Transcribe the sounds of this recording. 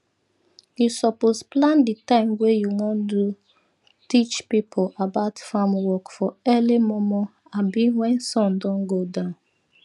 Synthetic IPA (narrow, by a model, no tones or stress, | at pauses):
jusɔposplãnditãɪ̃mwejuwɔ̃ndu | tit͡ʃpipʰolabaʊtfãmwɔkfɔɛlimɔmɔ | abiwɛ̃nsɔ̃ndɔ̃nɡodãʊ̃n